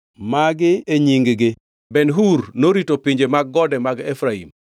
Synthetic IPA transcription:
maɡɪeɲiŋɡɡɪ | bɛnɦuɾnoɾitopiɲd͡ʒemaɡːɔdɛmaɡefɾaḭm

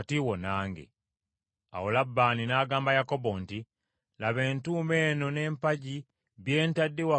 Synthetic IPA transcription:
tiwonaːŋɡḛ | a̰wulabːaːninaːɡaːmbajakobonti | laβeːntuːme̞ːnone̞ːmpaɟi | βjeːntadːiwa

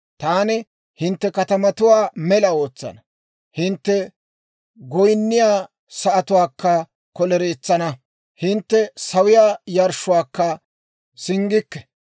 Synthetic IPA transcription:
t̪aːnɪ | hɪnt̪ːɛkɐt̪ɐmɐt̪ʊwaːmɛlɐo̞ːt͡sːɐ̰nɐ | hɪnt̪ːɛ | ɡɔjnːɪjaː | sɐʔɐt̪ʊwaːkːɐ | kɔlɛɾeːt͡sːɐnɐ | hɪnt̪ːɛsɐwɪjaːjɐɾʃʊwaːkːɐ | sɪŋɡɪkːɛ̥

